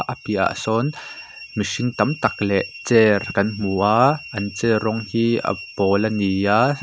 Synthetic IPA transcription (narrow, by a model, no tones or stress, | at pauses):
ʔəpiʔa̰ʔsɔn | misiŋt̪ɐmt̪ɐk̚lɛʔt͡sɛrkɐnm̥uʔaʔʔɐnt͡sɛrɔŋhiːʔɐ̰pɔlɐnia